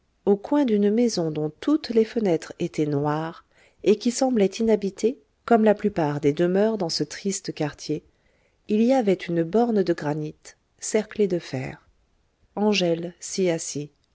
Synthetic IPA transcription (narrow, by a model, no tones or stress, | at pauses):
okwɛ̃d̪ynmezɔ̃d̪ɔ̃t̪ut̪lefənɛt̪χet̪ɛnwaʁ | ekʲisɑ̃blɛt̪ʰinabit̪ʰe | kɔmlaplypaʁd̪ed̪əmœʁd̪ɑ̃sət̪χist̪əkaʁt̪ʰje | iliavɛt̪ynbɔʁnd̪əɡʁanit̪ | sɛʁkled̪əfɛ̰ːʁ | ɑ̃ʒɛlsiasi